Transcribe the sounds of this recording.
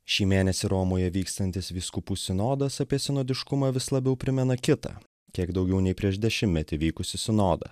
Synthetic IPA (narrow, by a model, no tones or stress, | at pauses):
ʃʲiːmʲeːnʲɛsʲɪɾoːmoːjɛʋʲiːkst̪ɐnʲt̪ʲɪsʋʲiːskʊpuːsʲɪnoːd̪ɐsɐpʲiɛsʲɪnɔːd̪ʲɪʃkʊmɑːʋʲɪslˠɐbʲɛʊpʲɾʲɪmʲɛnɐkʲɪt̪ɐ̰ː | kʲiɛɡd̪ɒʊɡʲɛʊnʲɛɪpʲɾʲiɛʃd̪ʲɛʃʲɪmːʲɛt̪ʲɪʋʲiːkʊsʲɪsʲɪnoːd̪ɐ̰